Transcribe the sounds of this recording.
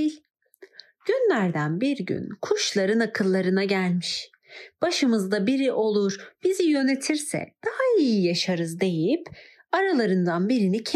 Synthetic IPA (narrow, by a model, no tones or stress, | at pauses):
ɟ̥ynlʲæɾd̪ænbiɾɟy̰nkʰuʃlˠaɾɯnakʰɯlˠːaɾɯnaɟælʲmiʃ | b̥aʃɯmɯzd̪abiɾiʔo̞lˠuɾb̥izijø̞ne̞t̪ʰiɾsɛ̰d̪̥ahaijijaʃaɾɯzd̪e̞jip | aɾalˠaɾɯnd̪anbiɾinicʰ